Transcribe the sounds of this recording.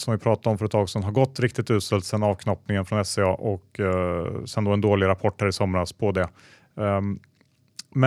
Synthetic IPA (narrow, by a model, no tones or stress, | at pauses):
sɔmvɪpʰɾɑːt̪aɾɔmfœɾɛt̪ʰːɑːɡsɔnɦaɾɡɔt̪ːɾɪk̚t̪ɪt̪ʉ̟ːt̪sɛlt̪sɛnːɑːvkʰnɔpnɪŋənfɾɔnɛsɛɑːʔɔk | sɛnd̪ɔɛnd̪oːlɪɾapʰɔʈːhæːɾɪsɔmɾaspʰɔd̪ɛ | mɛ